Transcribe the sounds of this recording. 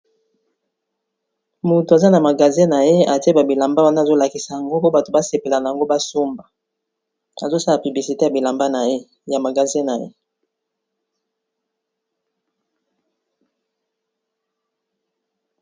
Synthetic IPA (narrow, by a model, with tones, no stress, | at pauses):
mo˨to˨a˨za˦na˨ma˨ɡa˨zĩ˦na˨je˦a˨te˦ba˨bi˨la˨mba˦wa˦na˦˨zo˦la˨ki˨sa˨ja˨ŋɡo˦po˦ba˨to˨ba˦se˨pe˨la˨na˨ja˨ŋɡo˦ba˦so˦mba˨ | a̰˨zo˦sa˦la˨py˨bli˨si˨te˦ja˨bi˨la˨mba˦na˨je˦ | ja˨ma˨ɡa˨zĩ˦na˨jḛ˦